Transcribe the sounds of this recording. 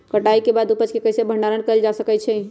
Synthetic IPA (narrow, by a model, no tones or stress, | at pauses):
kəʈaikebad̪upət͡ʃkekəjsebʱəɳɖaɾəɳkəld͡ʒasəkɛt͡ʃʰɛ